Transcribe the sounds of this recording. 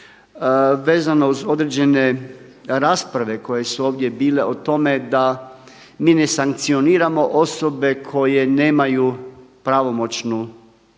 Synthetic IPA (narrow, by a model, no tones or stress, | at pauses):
ʋeːzanouzo̞d̪ɾed͡ʑe̞ne̞ | ɾaːspɾaʋe̞ko̞je̞suoːʋd̪jebiːle̞ot̪o̞me̞d̪a | miːne̞saŋkt̪sio̞niːɾamo̞ʔo̞sobe̞kʰo̞je̞ne̞ːmajupɾaʋo̞mo̞t͡ʃnu